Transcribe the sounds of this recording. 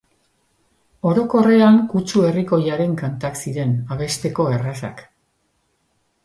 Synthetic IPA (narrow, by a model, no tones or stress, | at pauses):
o̞ɾo̞ko̞re̞aŋkut͡ʃue̞riko̞jaɾe̞ŋkant̪aksiɾe̞naβ̞e̞st̪e̞ko̞erasa̰k